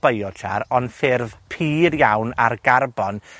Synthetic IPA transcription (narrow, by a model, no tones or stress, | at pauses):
b̥əjɔtʰa̰ɾɔnθɪrvpʰiːɾjawna̰rɡarbɔn